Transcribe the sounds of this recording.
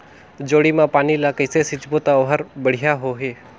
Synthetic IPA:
d͡ʒoːɽiːmãːpaːnilakəɪsesɪt͡ʃboːt̪aoɦəɾbəɽ̤ijaɦoːɦeː

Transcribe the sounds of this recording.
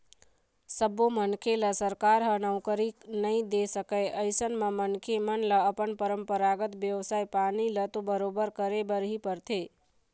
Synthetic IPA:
səbomənkʰeləsəɾkaɾɦənəwkəɾiknəĩd̪esəkəjʔəjsənmãmənkʰemənləːpəɳpəɾəmpəɾaɡət̪ʋjəʋsajpanilət̪obəɾobəɾkəɾebəɾɦipəɾt̪ʰe

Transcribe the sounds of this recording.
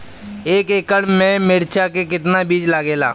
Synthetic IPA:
eːkeːkəɽmẽmɪɾt͡ʃʰakekɪt̪nabiːd͡ʒlaːɡeːla̰ː

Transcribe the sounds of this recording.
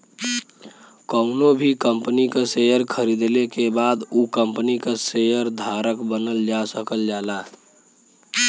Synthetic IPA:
kəʊnobʱikəmpənikasejəɾkʰəɾid̪lekebad̪ukəmpnikasejəɾd̪ʱaɾəkbənəld͡ʒasəkəld͡ʒala

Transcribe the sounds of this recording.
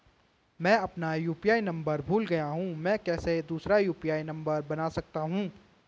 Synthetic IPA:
mɛ̃ːɐpnajuːpijaːinɐ̃mbəɾbʱuːlɡɐjaɦũmɛ̃ːkɛːsed̪uːsɾajuːpiaːinɐ̃mbəɾbɐnasɐk̚t̪aɦũː

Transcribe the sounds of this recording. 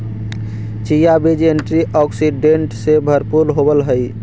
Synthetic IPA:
t͡ʃijabid͡ʒenʈɾiʔɔksiɖeɳʈsebʱəɾpuɾɦobəlɦəj

